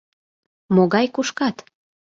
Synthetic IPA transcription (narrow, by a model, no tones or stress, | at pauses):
moɣɑjkuʃkɑt̪